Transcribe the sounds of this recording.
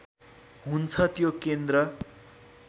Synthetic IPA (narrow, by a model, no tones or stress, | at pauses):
ɦunt͡sʰʌt̪jokend̪rʌ